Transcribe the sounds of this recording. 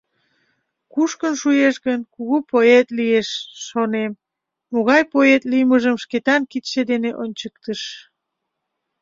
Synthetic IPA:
kuʃkənʃujeʃɣənkuɣupoet̪lieʃːonemː | oɣɑjpoet̪lijməʒəmʃket̪ɑnkit̪ʃed̪eneʔonʲt͡ɕəkt̪əʃ

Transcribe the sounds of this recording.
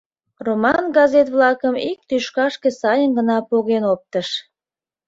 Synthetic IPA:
romɑnɡɑzet̪βlɑkəmik̚t̪yʃkɑʃkesɑjənɡənɑpoɣenop̚t̪əʃ

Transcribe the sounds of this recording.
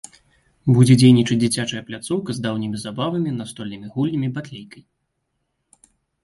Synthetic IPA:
bud͡zʲɛd͡zʲejnʲit͡ʂɨt͡sʲd͡zʲit͡sʲat͡ʂɐjɐplʲat̪sɔwkɐzd̪awnʲimʲizabavɐmʲinast̪ɔlʲnɨmʲiɣulʲnʲɐmʲibat̪lʲejkɐj

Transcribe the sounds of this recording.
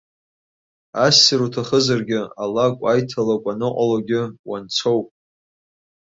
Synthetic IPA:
asːiɾutʰaχəzarɡʲɪalakʷʼajtʰalakʷʼanɨqʷʼalaɡʲɪwant͡sʷʰowpʼ

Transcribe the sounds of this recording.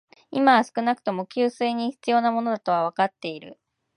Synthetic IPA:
imaβasɨ̥kɯ̟nakɯ̟̥t̪o̞mo̞kʲɨːsɨːɲ̟içi̥t͡sɨjo̞ːnamo̞no̞d̪at̪o̞β̞aβ̞akat̪ːe̞iɾɯ̟̰

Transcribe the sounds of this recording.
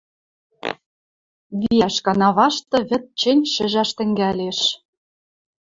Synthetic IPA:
βiæʃkɑnɑβɑʃt̪ɤ̆βɘ̆t̪̚t͡ɕɘ̆nʲʃɘ̆ʒæʃt̪ɘ̆ŋɡæleʃ

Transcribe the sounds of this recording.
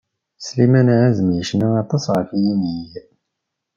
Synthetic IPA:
slimænʕazəmjəʃnaɑt̪ˤɑsʁəfjinij

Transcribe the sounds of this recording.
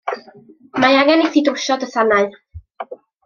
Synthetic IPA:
majaɡɛniθidowʃɔdəθanaɨ

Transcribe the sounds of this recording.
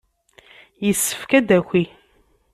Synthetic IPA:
jəsːə̥fkæd̪ækʷi

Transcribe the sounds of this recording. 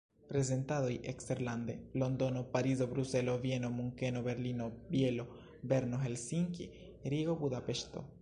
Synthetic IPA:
pɾes̬ent̪að̞oiʔekst̪eɾland̪elond̪o̞nopaɾiz̬oβɾuseloβjenomuŋkenoβeɾlinobjelo | beɾnoɦelsiŋkḭ | ɾiɣobuðapeʃt̪o̰

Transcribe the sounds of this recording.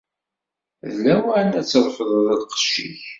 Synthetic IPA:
ðlæwænæt͡sːəɾˤfəðˤðˤɪlqə̥ʃḭç

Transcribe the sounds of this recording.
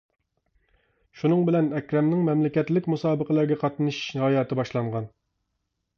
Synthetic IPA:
ʃunɨŋbɪlɛnɛkʲɾɛmnɪŋmɛmlɪkʲɛt̪lɪkʲmusɑːbəqʰəlˠæɾɡʲɛqʰɑt̪nɨʃhɑːjɑːt̪ʰɨbɑʃlˠɑɴʁɑn

